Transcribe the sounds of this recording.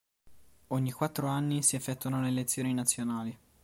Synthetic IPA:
oɲːikwat̪ːɾoanːisiefːɛt̪ːuanonelet̪sːjoːninat̪sːjonaːli

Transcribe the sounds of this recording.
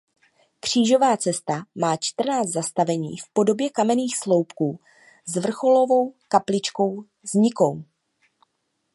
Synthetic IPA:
kr̝̥iːʒo̞vaːt͡sɛst̪amaːt͡ʃt̪r̩naːt͡st̪zast̪avɛɲḭːfpo̞do̞bjɛkamɛniːxslo̞wpkuː | zvr̩xo̞lo̞vo̞wkaplɪt͡ʃko̞w | zɲɪko̞w

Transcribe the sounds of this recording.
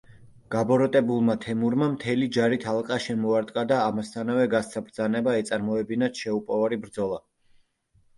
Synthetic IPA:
ɡ̥abɔɾɔt̪ʼɛbulˠmat̪ʰɛmuɾmamt̪ʰɛlid͡ʒaɾit̪ʰalˠqʼaʃɛmɔaɾt̪ʼqʼad̪aːmast̪ʰanavɛɡast̪sʰabɾd̪zanɛbaɛt̪sʼaɾmɔɛbinat̪ʰʃɛupʼɔvaɾibɾd̪zɔlˠa

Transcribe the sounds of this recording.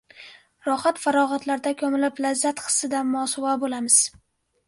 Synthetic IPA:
ɾɒχat̪faɾɒʁat̪laɾd̪akʰʲɵmɪlɪplazːat̪χɨ̥sːɪd̪anmɒːsɒvabolamɪz̥

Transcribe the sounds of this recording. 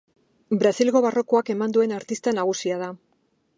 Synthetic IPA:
bɾasilɣo̞βaro̞ko̞ake̞mand̪ue̞naɾt̪ist̪anaɣ̞usiað̞a

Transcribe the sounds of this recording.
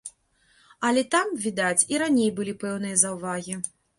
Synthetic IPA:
ɐlʲɛt̪amvʲid̪at͡sʲiɾanʲejbɨlʲipɛwnɨjɐzɐwvaɣʲi

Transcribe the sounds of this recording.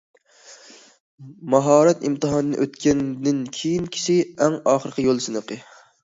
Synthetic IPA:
mɑɦɑːɾɛt̪imt̪ɨɦɑnɨnɨ̰ʔøt̪kʲɛnd̪ɪnkʲʰejinkʲʰi̥ʃɪɛŋɑːχəɾqʰʲɨjolˠsɨnɨqɨ

